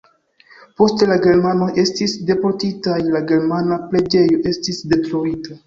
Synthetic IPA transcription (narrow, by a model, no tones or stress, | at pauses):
po̞stelaɡe̞ɾmano̞ʔe̞stisde̞poɾtitajlaɡe̞ɾmanaple̞d͡ʒe̞jo̞ʔe̞stisde̞klo̞ɾita